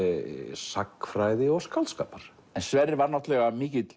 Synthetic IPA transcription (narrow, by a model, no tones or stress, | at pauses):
sakːfɾaːjðɪɔɣskalt̪ska̰ːpaɾ̥ | ɛnsvɛrːɪvaɾnɔht̪lɛɣamiːcɪt̪